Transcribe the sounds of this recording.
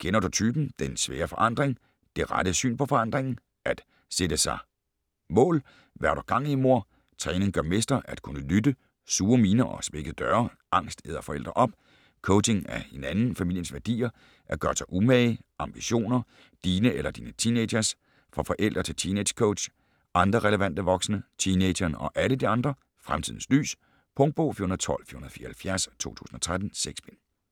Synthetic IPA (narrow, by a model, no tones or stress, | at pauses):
ɡ̥enɒd̥ut͡sʰyːb̥n̩d̥ensʋeːɐfɒ̽ʔɑ̈n̰d̥ʁeŋ | d̥e̝ʁɑd̥əsy̰ːnpʰɒ̽fɒ̽ɑ̈n̰d̥ʁeŋn̩ | ʔæd̥ | sed̥əsɑ̈ɪ | mɔ̰̽ːl | ʋæɐɾ̥ɒɡ̥ɑ̈ŋ̰iimo̝ɐ̰ | t͡sʰʁɛːne̝ŋɡ̥ɶɐme̝sd̥ɐʔæd̥kʰunəlydə | suːɐmiːnɐʔɒ̽sme̝ɡ̥əð̩ˠd̥ɶːɐ | ʔɑ̈ŋ̰sd̥ḛːð̞ˠɐfɒ̽el̰d̥ʁɐʔɒ̽b̥̚ | kʰoʊe̝ŋæɐe̝nænn̩fæmḭl̰jən̩sʋæɐd̥ḭːɐ | ʔæɐɡ̥ɶːɐsʰɑ̈ɪʔumɛɪʔɑ̈mb̥iɕo̝̰ːnɐ | d̥iːnəelɐd̥iːnət͡sʰiːneɕɐs | fʁɑfɒ̽ʔel̰d̥ʁɐt͡sʰe̝lt͡sʰined̥kʰoʊd̥ɕ | ʔɑ̈nd̥ʁɐʁɛləʋæn̰d̥əʋɒ̽ɡ̥snət͡sʰine̥ɐnɒ̽ʔæləd̥iɑ̈nd̥ʁɐ | fʁamt͡sʰiðˠn̩sly̰ːs | pʰɔ̽ŋd̥̚b̥ɔ̰ːfḭɐhunɐðˠt͡sʰɒ̽l̰fy̰ɐhunɐð̩ˠfiːɐhælfjæɐst͡sʰo̝̰ːt͡sʰṵːsn̩ɒt͡sʰʁad̥n̩seɡ̥sb̥en